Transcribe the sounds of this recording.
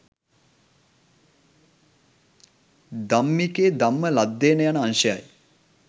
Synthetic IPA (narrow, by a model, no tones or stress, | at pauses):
d̪amːikeːd̪amːəlad̪ːeːnəjanəanʃəja̰j